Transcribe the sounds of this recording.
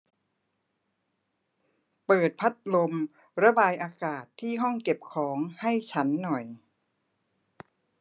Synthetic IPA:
pɤː˨˩t̪̚pʰa˦˥t̪̚lo˧m | ɾa˧baː˧jʔaː˧kaː˨˩t̪ʰːiː˥˩ɦɔ˥˩ŋke˨˩p̚kʰɔː˩˦ŋha˥˩jt͡ɕʰa˦˥nːɔ˨˩j

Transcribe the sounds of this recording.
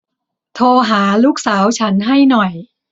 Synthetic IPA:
t̪ʰoː˧ɦaː˩˦luː˥˩k̚saː˩˦wt͡ɕʰa˦˥nɦa˥˩jnɔ˨˩j

